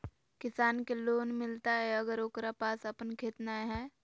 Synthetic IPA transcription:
kɪsaːnkeloːnmɪlt̪aɦɛəɡəɾoːkɾapaːsəpənkʰeːt̪naeɦɛː

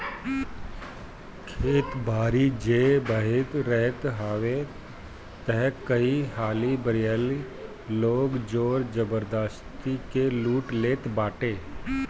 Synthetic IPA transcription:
kʰeːt̪bʱaːɾid͡ʒeːbəɦɪt̪ɾɛɦt̪ɦaːʋe | t̪əɦkəihaːlibəɾɪjaːli | loːɡd͡ʒoːɾd͡ʒəbəɾd̪əstt̪ikeluːʈleːt̪baːʈeː

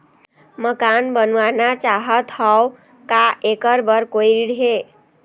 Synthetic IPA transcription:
məkanbənwanat͡ʃaɦət̪ɦaw | kaʔekəɾbəɾkoiɾiɽɦe

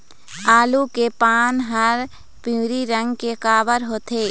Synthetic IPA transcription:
aːlukepaːnɦəɾ | piũːɾiɾə̃ŋɡkekaːʋəɾɦoːt̪ʰeː

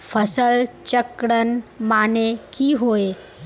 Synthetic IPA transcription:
pʰəsəlt͡ʃəkɽənmaːnekiɦoːe

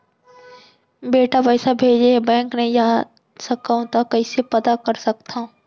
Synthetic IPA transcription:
beːʈabɐːsabʱeːd͡ʒebɛ̃ːŋknɐɦĩja | sɐkaũt̪akɐisepɐd̪akɐɾsɐk̚t̪ã

